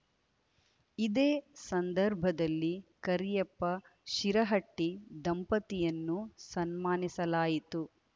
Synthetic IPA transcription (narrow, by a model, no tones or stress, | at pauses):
id̪eːsɐnd̪ɐɾbʱɐd̪ɐlːikɐɾijɐpːɐ | ʃiɾɐɦɐʈːid̪ɐmpɐt̪ijɐnːusɐnmaːnisɐlaːjit̪u